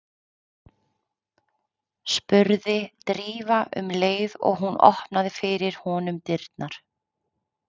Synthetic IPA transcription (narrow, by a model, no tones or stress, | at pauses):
spʏɾðɪt̪ɾiːvaʔʏ̰mleːjðɔ̰ɣɦunɔ̰hpnaðɪfɪɾɪɾ̥hɔːnʏmt̪ɪɾt̪naɾ̥